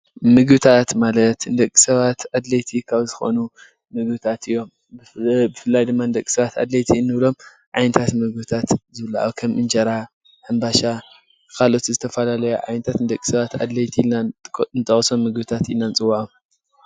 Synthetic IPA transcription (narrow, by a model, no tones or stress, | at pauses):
mɨɡbɨt̪ʰat̪malɐt̪ɨnd̪ɐkʼːi̥sɐβat̪ʕad̪lɐjt̪ʰikʰaβzɨxo̞̰nu | mɨɡbɨt̪ʰat̪ɨjːo̞m | bbɨfɨlːajd̪ɨmːand̪ɐkʼːi̥sɐβat̪a̰d̪lɐjt̪ʰinːɨβlo̞m | ʕa̰jnɐt̪ʰat̪mɨɡbɨt̪ʰat̪zɨβɨlːaa̰wkʰɐmʔɨnd͡ʒɐɾa | ħɨmbaʃa | kʰalʔo̞t̪zɨt̪ʰɐfɐlalɐjoʕa̰jnɐt̪ʰat̪nɨd̪ɐkʼːi̥sɐβat̪a̰d̪lɐjt̪ʰinant̪ʰɐχʼsomːɨɡbɨt̪ʰat̪inant͡sʼɨwːaʕum